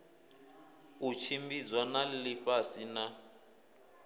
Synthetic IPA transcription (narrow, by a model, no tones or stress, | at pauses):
ut͡ʃʰimbid͡zwanalliɸasina